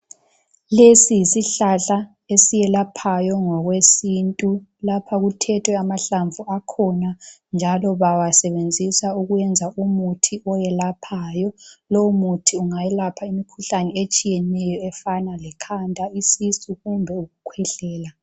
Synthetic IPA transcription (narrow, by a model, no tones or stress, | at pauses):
lesijisiɬaɬa | esijɛlapʰajɔŋɔɣwesintʼulapʰaɣutʰɛtʰwɛamaɬaɱvʱuakʰɔnand͡ʒʱalɔβawasɛβend͡zʱisauɣujɛnd͡zʱaumutʰiɔjɛlapʰajɔlɔumutʰiuŋajɛlapʰaimikʰuɬanɛet͡ʃʼijɛnɛjɔɛfanalɛkʰantʼaisisuɣumbʱɛuɣukʰwɛɬɛːla